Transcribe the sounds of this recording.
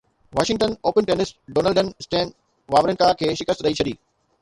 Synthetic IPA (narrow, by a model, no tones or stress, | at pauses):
ʋaːʃɪ̃ŋɡʈənoːpənʈeːnɪsʈ̚ɖoːnəlɖənsʈɛ̃ːn | ʋaːʋɾənkaːkʰeːʃɪkəst̪ɾɐɦit͡ɕʰɐɗiː